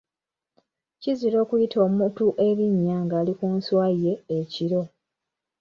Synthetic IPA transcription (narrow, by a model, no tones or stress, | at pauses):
ciziɾo̞ːkujitʰo̞ːmutuʔe̞βiɲːaŋɡaːlikuːnswae̞ːciɾo̞